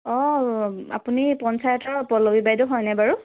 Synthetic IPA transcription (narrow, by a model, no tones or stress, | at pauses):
ɔ | a̰punipɔnsajɔtʰɔɹpɔlobibajdʊɦɔjnajbaɹu